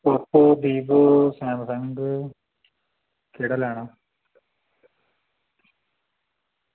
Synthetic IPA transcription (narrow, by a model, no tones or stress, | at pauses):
opːod̪iːbosaːmsɐŋɡɨ | kiɽɐlaːɳɨ